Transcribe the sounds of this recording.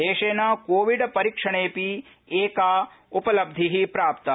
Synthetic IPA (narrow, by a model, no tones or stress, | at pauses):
eːʃeːnakoːʋiɖpɐɾikʂɐɽ̃eːpi | eːkaː | upɐlɐb̚d̪ʱiɦipɾaːpt̪ɐ